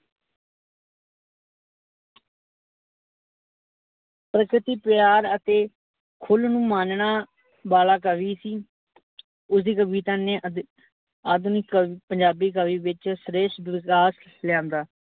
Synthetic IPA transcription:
pɾəkɾɪt̪iːpɪjaːɾət̪eː | kʰʊlnũːmaːnɳaː | baːlaːkəʋiːsiː | ʊsd̪iːkəbiːt̪aːnẽː | aːd̪niːkːpəɲd͡ʒaːbiːk̬əʋiːʋɪt͡ʃsɾeːʃd̪ʋɪkaːs | lɪjãːnd̪aː

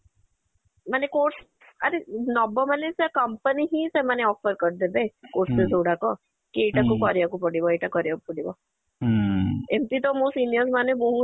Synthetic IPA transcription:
manekoɾs | aɾenɔbɔmanesekəmpəniɦĩsemaneɔfəɾkəɾd̪ebekoɾsezʱoɽakɔ | kieʈakukɔɾijakupəɽibɔeʈakɔɾjakupəɽibɔ | emt̪it̪ɔmoːsʈiniəsmanebɔɦu

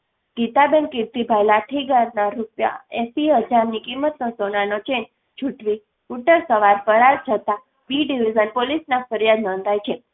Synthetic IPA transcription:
ɡ̥it̪abenkiɾt̪ibʱajlaʈʰiɡaɾnaɾupja̰esiɦəd͡ʒaɾnikimːət̪nosonanot͡ʃen | t͡ʃʰuʈʰʋi | uʈəɾsəʋaɾpəɾaɾt͡ʃʰət̪a | biɖiʋizənpolisnafəɾijad̪nɔ̃nd̪ʱajt͡ʃʰe

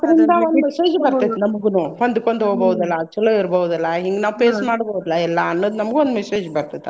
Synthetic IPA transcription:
d̪ɐɾind̪ɐond̪mɛseːd͡ʒbɐɾinɐmɐɡunuond̪ukːond̪ɦoɡboːwud̪ɐlːɐːk̚t͡ʃːɐlːeiɾɐboːwud̪ɐlːɐɦiŋɡenaːʋpeːsmaːɽboːd̪ɐlːɐɛlːaːnːɐd̪unɐmɐɡond̪umɛseːd͡ʒbɐɾt̪id̪ːe

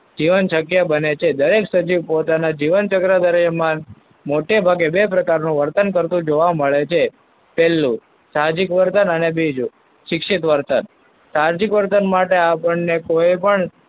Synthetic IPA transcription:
d͡ʒiʋənʃəkjabənet͡ʃʰed̪əɾeksəd͡ʒiʋpot̪anad͡ʒiʋənt͡ʃəkɾad̪əɾjəman | moʈebʱaɡebepɾəkaɾnũʋəɾt̪ənkəɾt̪ũd͡ʒoʋaməɭet͡ʃʰe | pɛlːũ | sad͡ʒikʋəɾt̪ənənebid͡ʒu | ʃɪkʃit̪ʋəɾt̪ən | saɾd͡ʒikʋəɾt̪ənmaʈeapəɳnekojpəɳ

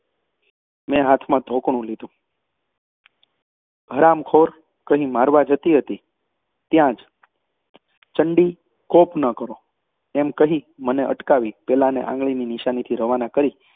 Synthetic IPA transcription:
mɛ̃ɦat̪ʰmãd̪ʱokɳ̃ũlid̪ũ | ɦəɾamkʰoɾ | kəɦĩmaɾʋad͡ʒʱət̪iɦət̪i | t̪jãd͡ʒ | t͡ʃəɳɖi | kopnəkəɾo | ɛmkəɦĩməneʔə̰ʈkaʋipɛlanḛʔã̰ŋɡɭininiʃanit̪ʰiɾəʋanakəɾi

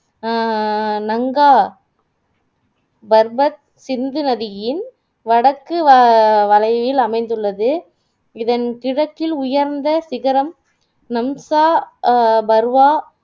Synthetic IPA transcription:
nɐŋɡaː | bɐɾbɐt̪̚ | sɪnd̪ɯnɐðɪjɪn | ʋɐɽɐkːɯʋɐlɐɪʋɪlɐmɐɪnd̪ɯɭːɐðɯ | ɪðɐnkɪɽɐkːɪlʊjɐɾnd̪ɐsɪɣɐɾɐm | nɐmsaː | bɐɾʋaː

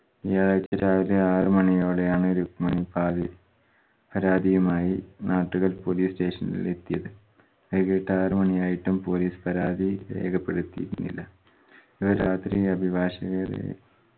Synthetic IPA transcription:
ijaːɭat͡ɕːɐɾaːʋileaːrɨmɐɳijo̞ːɽe̞jaːɳɨoɾumɐɳipaːd̪i | pɐɾaːd̪ʱijumaːjinaːʈːuɣɐlpo̞ːliːsʈe̞ːʂɐnḭle̞t̪ːijɐðɨ | ɐðɣɐjiʈːɨaːrɨmɐɳijaːjiʈːumpo̞liːspɐɾaːd̪ʱiḛːɡɐpːe̞ɽut̪ːijḭɾunːḭlːɐ | iʋɐɾaːt̪rijɐbʱibaːɕɐɣɐrḛ

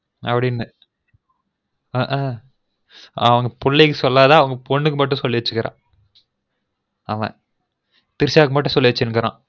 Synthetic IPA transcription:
ɐpːɐɽɪnːɯ | ʔ | ɐʋɐŋɡɐpʊɭːɐɪkːɯsɔlːaːðãːɐʋɐŋɡɐpɔɳːɯk̬ːɯmɐʈːũsɔlːiʋɐt͡ʃːɯkːɪɾã̰ː | ɐʋɛ̰̃ | t̪ɪɾɪsaːk̬ɯmɐʈ̬ːɯ̃sɔlːiʋɐt͡ʃːɯnːɯkɐɾã̰ː

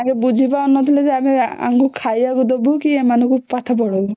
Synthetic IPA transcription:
akɛbud͡ʒʱibaɔnːɔt̪ilɛzeamia̰ŋkukʰajakud̪ɔbukiemanukupat̪ʰapɔɽɔb

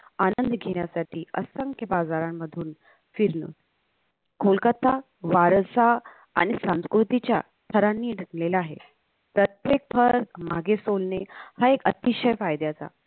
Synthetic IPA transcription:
anənd̪ɡʱeɳ̃jasaʈiːəsəŋkʰjəbad͡zaɾamːəd̪ʱuːn | fiɾnə̰ | kʰolkət̪ʰa | ʋaɾsa | a̰ɽ̃isãskɾut̪it͡ɕja | t̪ʰəɾanːiːɖʱənleləaɦḛ | pɾət̪jek̚t̪ʰəɾm̤a̰ɡesolnehaekə̰t̪iɕəjfajd̪ʱjat͡sa̰

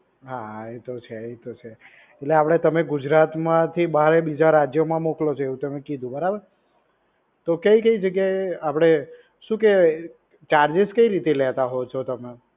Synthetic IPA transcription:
ɦaet̪ot͡ʃʰeet̪ot͡ʃʰe | eʈleapɽ̃et̪əmeɡʊd͡ʒɾat̪mãt̪ʰibəaɾebid͡ʒaɾad͡ʒjomãmoklot͡ʃʰoeɦũt̪əmekid̪ʱũbəɾabəɾ | t̪okəikəid͡ʒəɡjaeapɽ̃e | ʃũke | t͡ʃaɾd͡ʒɪskəiɾit̪elɛt̪aɦɔt͡ʃʰot̪əme

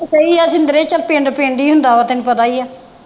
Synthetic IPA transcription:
keiaːsĩnd̪əɾeːt͡ʃəlpẽːɳɖpẽːɳɖiːɦʊnd̪aːʋaːt̪enũpət̪aːiaː

